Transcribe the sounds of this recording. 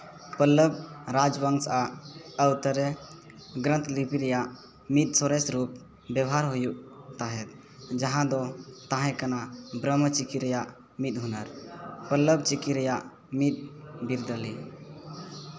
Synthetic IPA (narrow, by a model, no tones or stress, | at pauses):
pəlːəb̚ɾad͡ʒbəŋsaəwt̪əɾe | ɡɾə̃nt̪lipiɾja | mit̪̚sɔɾesɾup | bjəbɦaɾɦujut̪aɦɛt̪̚ | d͡ʒəɦãd̪ɔt̪aɦɛ̃kənabɾəmət͡ʃikiɾjaʔ | mit̪ɦunəɾpəlːəbt͡ʃikiɾjaʔ | mit̪̚biɾd̪əlḭ